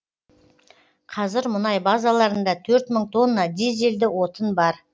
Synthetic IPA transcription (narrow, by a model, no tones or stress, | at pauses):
qʰɑzɪɾmʊnɑjbɑzɑlˠɑɾənd̪ɑt̪ʰɵɾt̪məɴt̪ʰo̞nːɑd̪eze̞ld̪ɪwo̞t̪ənbɑɾ